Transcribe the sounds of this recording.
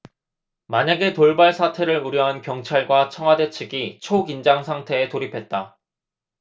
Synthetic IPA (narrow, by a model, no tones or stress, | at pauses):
maɲaɡe̞toɭbaɭsʰatʰe̞ɾɯɾuɾjʌɦankjʌŋt͡ɕʰaɭɡwat͡ɕʰʌŋɦwade̞t͡ɕʰɯɡit͡ɕʰoɡind͡ʑaŋsʰaŋtʰe̞ːtoɾipʰe̞t̚t͈a